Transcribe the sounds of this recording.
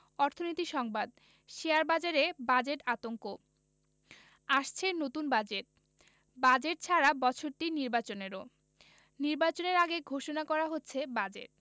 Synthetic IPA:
ɔɾt̪ʰonot̪iʃɔŋbad̪ | ʃeaɾbad͡ʑaɾebad͡ʑeʈat̪oŋko | aʃt͡ɕʰenot̪unbad͡ʑeʈ̚ | bad͡ʑeʈ̚t͡ɕʰaɾabɔt͡ɕʰoɾʈiniɾbat͡ɕoneɾo | niɾbat͡ɕoneɾaɡeɡʱoʃonakɔɾaɦotːɕʰebad͡ʑḛʈ̚

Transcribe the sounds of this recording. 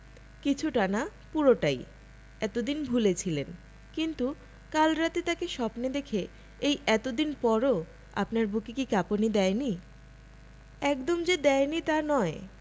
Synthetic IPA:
kit͡ɕʰuʈanapuɾoʈaj | ɛt̪od̪inbʱulet͡ɕʰilen | kint̪u | kalɾat̪et̪akeʃɔpned̪ekʰe | ejɛt̪od̪inpɔɾo | a̰pnaɾbukikikaponid̪ɛeni | ɛkd̪omd͡ʑed̪ɛenit̪anɔe

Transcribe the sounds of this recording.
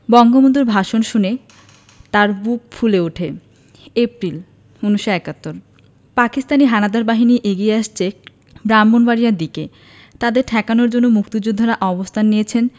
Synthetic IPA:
bɔŋɡomond̪oɾbʱaʃonʃune | t̪aɾbuk̚fʰuleuʈʰe | epɾil | unuʃoɛkat̪ːoɾ | pakist̪aniɦanad̪aɾbaɦiniʔeɡieaʃt͡ɕʰe | bɾamːonbaɾijad̪ike | t̪ad̪eɾʈʰɛkanoɾd͡ʑonːomuk̚t̪id͡ʑud̪ʱːoɾaʔɔbost̪ʰanːijet͡ɕʰen

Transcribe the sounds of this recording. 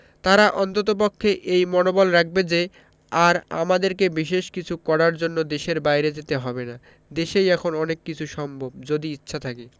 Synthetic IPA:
t̪aɾaʔɔnt̪ot̪̬op̬okʰːeʔejmɔnobolɾak̚ʰbed͡ʑe | aɾa̰mad̪eɾkebiʃ̬eʃkit͡ɕʰukɔɽaɾd͡ʑonːod̪eʃeɾbajɾed͡ʑet̪eɦɔbena | d̪eʃejɛkʰonɔnekːit͡ɕʰuʃɔmbʱob̚d͡ʑod̪iitːɕʰat̪ʰake

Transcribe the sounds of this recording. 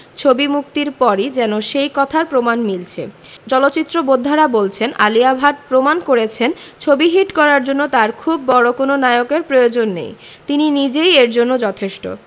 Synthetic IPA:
t͡ɕʰobimuk̚t̪iɾpɔɾid͡ʑɛnoʃejkɔt̪ʰaɾpɾomanmilt͡ɕʰḛ | t͡ɕɔlot̪ːt͡ɕit̪ːɾobod̪ʱːaɾabolt͡ɕʰenʔa̰liabʱaʈ̚pɾomankoɾet͡ɕʰent͡ɕʰobiɦiʈkɔɾaɾd͡ʑonːot̪aɾkʰubːɔɾokononaeokeɾpɾojod͡ʑonːḛj | t̪ininid͡ʑejeɾd͡ʑonːod͡ʑɔt̪ʰeʃʈo̰

